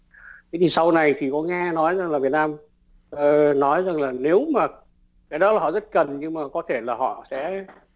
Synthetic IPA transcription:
ka˨˦ti˨˩sa˧wna˨˩jt̪ʰi˨˩kɔ˨˦ŋɛ˧nɔ˨˦jza˨˩ŋlaː˨˩vi˨˩ət̚naː˧m | ʔəː˨˩nɔ˨˦jza˨˩ŋlaː˨˩ne˨˦wmaː˨˩ | kaː˨˦jɗɔ˨˦laː˨˩hɔ̰˧˨zə˦˥t̚kə˨˩nɲɨ˧ŋmaː˨˩kɔ˨˦t̪ʰe˧˩laː˨˩ɔ̰˧˨sɛ̰˧˥

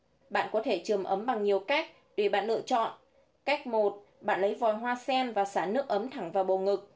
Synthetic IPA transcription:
ɓa̰ː˧˨nkɔ˨˦t̪ʰe˧˩t͡ɕɨ˨˩əmʔə˨˦mɓa˨˩ŋɲi˨˩əwka˦˥jk̚ | ɗwe˧˩ɓa̰ː˧˨nlɨ̰˧ət͡ɕɔ̰˧˨n | ka˦˥jk̚mo˨˩t̚ | ɓa̰ː˧˨nlə˨˦jvɔ˨˩jɦwaː˧sɛ˧nvaː˨˩saː˧˩nɨ˦˥ək̚ʔə˨˦mt̪ʰa˧˩ŋvaː˨˩wɓo˨˩ŋɨ˨˩k̚

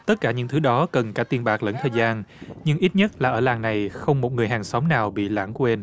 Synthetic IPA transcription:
t̪ə˦˥t̚kaː˧˩ɲɨ̰˧˥ŋt̪ʰɨ˨˦ɗɔ˨˦kə˨˩nkaː˧˥t̪i˧ənɓaː˨˩k̚lə̰˨˧˥nt̪ʰəː˨˩jzaː˧nɲɨ˧ŋʔi˦˥t̚ɲə˦˥t̚laː˨˩ʔəː˧˩laː˨˩ŋna˨˩jxə˧wŋ͡mmo˨˩t̚ŋɨ˨˩əjɦaː˨˩ŋsɔ˨˦wŋ͡mnaː˨˩wɓḭ˧˨la̰ː˧˩ŋkwe˧n

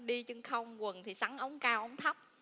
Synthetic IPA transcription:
ɗi˧t͡ɕɨ˧ŋxə˧wŋ͡mkwə˨˩nt̪ʰi˨˩sa˨˦ŋʔə˨˦wŋ͡mkaː˧wʔə˨˦wŋ͡mt̪ʰə˦˥p̚

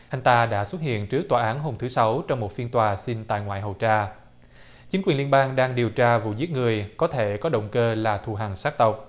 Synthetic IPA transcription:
ʔa˧jŋ̟t̪aː˧ɗa̰ː˧˥swə˦˥t̚hḭ˧˨ənt͡ɕɨ˦˥k̚t̪waː˨˩ʔaː˨˦nɦo˧mt̪ʰɨ˨˦sa˨˦wt͡ɕɔ˧wŋ͡mmo˨˩t̚fi˧nt̪waː˨˩si˧nt̪a̰ː˧˨jŋwa̰ː˧˨jɦə˨˩wt͡ɕaː˧ | t͡ɕï˨˦ŋkwi˨˩nli˧ənɓaː˧ŋɗaː˧ŋɗi˨˩əwt͡ɕaː˧vṵ˧˨zi˦˥ət̚ŋɨ˨˩əjkɔ˨˦t̪ʰe˧˩kɔ˨˦ɗə̰˧˨wŋ͡mkəː˧laː˨˩t̪ʰu˨˩ɦa˨˩ŋsaː˦˥k̚t̪ə˨˩wk͡p̚

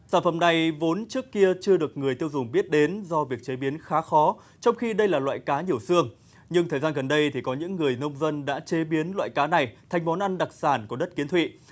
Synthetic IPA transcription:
saː˧˩nfə̰˧˩mna˨˩jvo˨˦nt͡ɕɨ˦˥əkːi˧ət͡ɕɨ˧əɗɨ˨˩ək̚ŋɨ˨˩əjt̪i˧əwzʊ˨˩ŋ͡mɓi˦˥ət̚ɗe˨˦nzɔ˧vi˨˩ək̚t͡ɕe˨˦ɓi˨˦ənxaː˨˦xɔ˨˦ | t͡ɕɔ˧wŋ͡mxi˧ɗə˧jlaː˨˩lwa̰ː˧˨jkaː˨˦ɲi˨˩əwsɨ˧əŋ | ɲɨ˧ŋt̪ʰəː˨˩jzaː˧nɣə˨˩nɗə˧jt̪ʰi˨˩kɔ˨˦ɲɨ̰˧˥ŋːɨ˨˩əjnə˧wŋ͡mzə˧nɗa̰ː˧˥t͡ɕe˨˦ɓi˨˦ənlwa̰ː˧˨jkaː˨˦na˨˩jt̪ʰa˨˩jŋ̟mɔ˨˦nʔa˧nɗa˨˩k̚saː˧˩nku˧˩ɗə˦˥t̚ki˨˦ənt̪wḭ˧˨

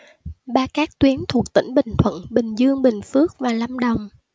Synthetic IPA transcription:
ɓaː˧kaː˦˥k̚t̪wi˨˦ənt̪ʰu˨˩ək̚t̪ḭ̈˧˥ŋ̟ɓï˨˩ŋ̟t̪ʰwə̰˧˨nɓï˨˩ŋ̟zɨ˧əŋɓï˨˩ŋ̟fɨ˦˥ək̚vaː˨˩la˧mɗə˨˩wŋ͡m

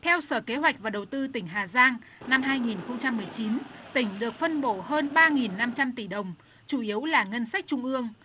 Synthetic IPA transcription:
t̪ʰɛ˧wsəː˧˩ke˨˦ɦwa˨˩jk̟̚vaː˨˩ɗə˨˩wt̪ɨ˧t̪ï˧˩ŋ̟ɦaː˨˩zaː˧ŋna˧mɦaː˧jŋi˨˩nxə˧wŋ͡mt͡ɕa˧mːɨ˨˩əjt͡ɕi˨˦nt̪ï˧˩ŋ̟ɗɨ˨˩ək̚fə˧nɓo˧˩ɦəː˧nɓaː˧ŋi˨˩nːa˧mt͡ɕa˧mt̪i˧˩ɗə˨˩wŋ͡m | t͡ɕu˧˩ʔi˨˦əwlaː˨˩ŋə˧nsa˦˥k̚t͡ɕʊ˧ŋ͡mʔɨ˧əŋ

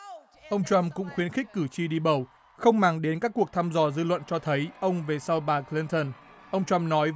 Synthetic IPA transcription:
ʔə˧wŋ͡mt͡ɕwa˧mkʊ̰˧˥ŋ͡mxwi˨˦ənxk̟̚kːɨ˧˩t͡ɕi˧ɗi˧ɓə˨˧˩w | xə˧wŋ͡mmaː˨˩ŋɗe˨˦nkaː˦˥kːu˨˩ək̚t̪ʰaː˧mzɔ˧˩zɨ˧lwə̰˧˨nt͡ɕɔ˧t̪ʰə˨˦jʔə˧wŋ͡mve˨˩sa˧wɓaː˨˩kli˧nt̪ə˧˩n | ʔə˧wŋ͡mt͡ɕwa˧mnɔ˨˦j

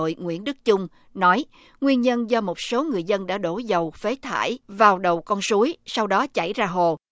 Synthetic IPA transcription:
o̰˧˨jŋwḭ˧˥ənɗɨ˦˥k̚t͡ɕʊ˧ŋ͡m | nɔ˨˦j | ŋwi˧ənɲə˧nzɔ˧mo˨˩t̚so˨˦ŋɨ˨˩əjzə˧nɗa̰ː˧˥ɗo˧˩zə˨˩wfe˨˦t̪ʰa̰ː˧˩jvaː˨˩wɗə˨˩wkɔ˧nsu˨˦jsa˧wɗɔ˨˦t͡ɕa̰˧˩jzaː˧ɦo˨˩

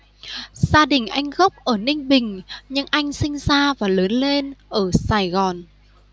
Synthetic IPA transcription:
z̥aː˧ɗï˨˩ŋ̟ʔa˧jŋ̟ɣə˦˥p̚ʔəː˧˩nï˧ŋ̟ɓï˨˩ŋ̟ɲɨ˧ŋʔa˧jŋ̟sï˧ŋ̟zaː˧vaː˨˩ləː˨˦nle˧nʔəː˧˩saː˧˩jɣɔ˨˩n

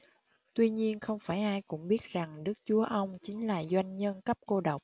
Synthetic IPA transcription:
t̪wi˧ɲi˧ənxə˧wŋ͡mfaː˧˩jʔaː˧jkʊ̰˧˥ŋ͡mɓi˦˥ət̚z̥a˨˩ŋɗɨ˦˥k̚t͡ɕu˨˦əʔə˧wŋ͡mt͡ɕï˨˦ŋ̟laː˨˩zwa˧jŋ̟ɲə˧nkə˦˥p̚ko˧ɗə˨˩wk͡p̚

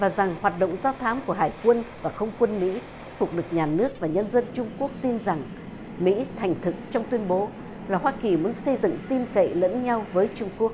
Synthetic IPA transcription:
vaː˨˩za˨˩ŋhwaː˨˩t̚ɗo̰˧˨wŋ͡mzaː˧t̪ʰaː˨˦mku˧˩əɦaː˧˩jkwə˧nvaː˨˩xə˧wŋ͡mkwə˧nmḭ˧˥ | fʊ˨˩k͡p̚ɗɨ˨˩ək̚ɲaː˨˩nɨ˦˥ək̚vaː˨˩ɲə˧nzə˧nt͡ɕʊ˧ŋ͡mku˦˥ək̚t̪i˧nza˨˩ŋ | mḭ˧˥t̪ʰɛ˨˩jŋ̟t̪ʰɨ˨˩k̚t͡ɕɔ˧wŋ͡mt̪wi˧ənɓo˨˦ | laː˨˩ɦwaː˧ki˨˩mu˨˦ənsə˧jzɨ̰˧˨ŋt̪i˧mkə̰˧˨jlə̰˧˥nɲa˧wvəː˨˦jt͡ɕʊ˧ŋ͡mku˦˥ək̚

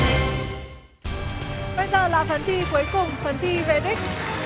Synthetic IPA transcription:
ɓə˧jzəː˨˩laː˨˩fə˨˦nt̪ʰi˧ku˨˦əjkʊ˨˩ŋ͡mfə˨˦nt̪ʰi˧ve˨˩ɗi˦˥k̟̚

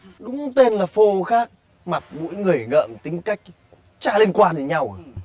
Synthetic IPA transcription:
ɗʊ˨˦ŋ͡mt̪e˧nlaː˨˩fo˧xaː˦˥k̚ | ma˨˩t̚mo̰˧˥jŋɨ˨˩əjŋə̰ː˧˨mt̪ï˨˦ŋ̟ka˦˥jk̟̚ | t͡ɕa̰ː˧˥li˧ənkwaː˧ni˨˧˦ɲa˧w

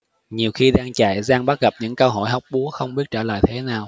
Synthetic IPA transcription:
ɲi˨˩əwxi˧ɗaː˧ŋt͡ɕa̰ː˧˨jzaː˧ŋɓa˦˥t̚ɣə˨˩p̚ɲɨ̰˧˥ŋkəː˧ɦo̰˧˨jɦɔ˨˩wk͡p̚ɓu˨˦əxə˧wŋ͡mɓi˦˥ət̚t͡ɕəː˧˩la̰ː˧˨jt̪ʰe˨˦naː˨˩w

